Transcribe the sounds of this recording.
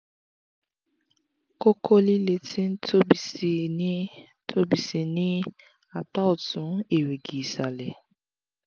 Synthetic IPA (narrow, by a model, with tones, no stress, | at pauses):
ko˦kʰo˦li˦le˨ti˦n̩˦to˦bi˨˦ | tʰo˦bi˨si˨ni˦ | a˨ta˦ʊ˨tʊ˨n̩˦e˨we˨ɡi˨sa˨lḛ˨